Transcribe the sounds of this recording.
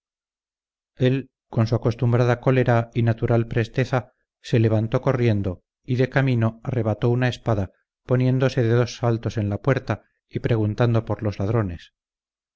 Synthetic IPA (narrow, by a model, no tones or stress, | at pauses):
e̞l | ko̞nsuako̞st̪umbɾaðako̞le̞ɾainat̪uɾalpɾe̞st̪e̞θa | se̞le̞β̞ant̪o̞ko̞rje̞nd̪o | iðe̞kamino̞are̞β̞at̪o̞unae̞spaða | po̞nje̞nd̪o̞se̞ðeðo̞sːalt̪o̞se̞nlapwe̞ɾt̪a | ipɾe̞ɣ̞unt̪and̪o̞po̞ɾlo̞zlað̞ɾo̞nes